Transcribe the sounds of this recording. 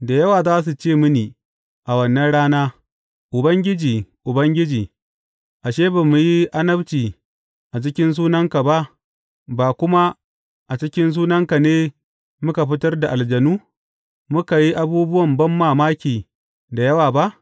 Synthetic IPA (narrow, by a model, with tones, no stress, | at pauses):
da˨jɐ˦waː˨zaː˦s̬u˨t͡ʃeː˦˨mʊ˦niː˨ | ʔa˨wɐ˨nːɐ˦nɽaː˦naː˦ | ʔʊ˨bɐ˦ŋɡʲɪ˦d͡ʒiː˨ʔʊ˨bɐ˦ŋɡʲɪ˦d͡ʒiː˨ | ʔa˨ʃeː˦ba˨mu˨ji˦ʔa˦nɐ˦bt͡ʃiː˨ | ʔa˨t͡ʃɪ˦kʲɪ˦ns̬uː˦nɐ˦ŋka˨ba˦ʔ | baː˨kʷʊ˦ma˦ | ʔa˨t͡ʃɪ˦kʲɪ˦ns̬uː˦nɐ˦ŋka˨neː˦ | mʊ˦ka˨ɸɪ˦tɐ˦rda˨ʔa˨ld͡ʒɐ˨nuː˦ | mʊ˦ka˨ji˦ʔa˦buː˦bʊ˦wɐ˨mbɐ˦mːaː˨maː˦kʲiː˨ | da˨jɐ˦waː˨ba˦ʔ